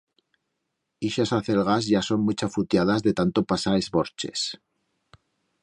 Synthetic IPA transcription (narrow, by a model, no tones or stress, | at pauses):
iʃasaθe̞lɣazʝaso̞nmut͡ʃafut̪jaðazðe̞t̪ant̪o̞pasaezβo̞ɾt͡ʃe̞̰s